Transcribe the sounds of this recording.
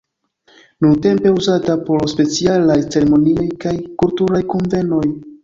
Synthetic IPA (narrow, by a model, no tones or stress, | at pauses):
nunte̞mpe̞uzatapo̞ɾspe̞t͡sialajt͡se̞ɾemo̞nio̞jkajkultuɾajkonve̞no̞j